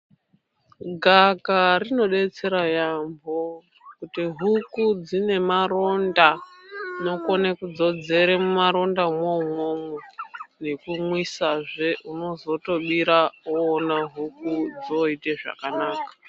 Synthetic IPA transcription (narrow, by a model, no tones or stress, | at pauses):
ɡʱakarino̞ɗe̞t͡se̞ɾajambo̞ | kutiɦukud͡zine̞maɾo̞nda | no̞konekud͡zo̞d͡ze̞ɾemumaɾo̞ndamomomenekumwisaʐe̞ʔuno̞zo̞to̞ɓiɾaoːnaɦukud͡zo̞iteʐa̰kanaːkḁ